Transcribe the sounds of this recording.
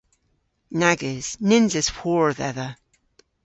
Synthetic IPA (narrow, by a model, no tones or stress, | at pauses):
naɡɪz̥nɪ̃nzɪz̥hɔɹðɛðə